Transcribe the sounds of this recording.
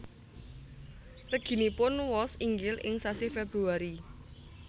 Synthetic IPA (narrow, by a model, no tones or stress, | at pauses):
rəɡ̥i̤nipʊnwɔsiŋɡɪlʔɪ̰ŋsasifeb̥ɾuaɾi